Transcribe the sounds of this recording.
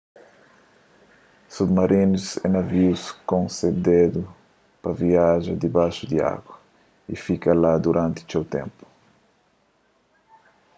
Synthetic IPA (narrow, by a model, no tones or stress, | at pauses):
submaɾinusɛnɐviuskõnsed̪ed̪u | pɐviaʒɐd̪ibajʃud̪ia̰ɡwɐ | ḭfikɐlad̪uɾãnt̪iu̥sewt̪ḛ̃mpu̥